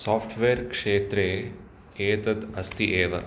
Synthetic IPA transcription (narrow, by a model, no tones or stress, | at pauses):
saːpʰʈʰʋeːɾkʂeːt̪ɾeː | eːt̪ɐt̪ɐst̪iʔeːʋɐ̰